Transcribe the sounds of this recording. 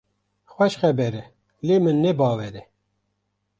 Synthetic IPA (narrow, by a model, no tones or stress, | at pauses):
xwɛʃxɛbɛɾɛ | leːmɨnːɛbɑːwɛɾɛ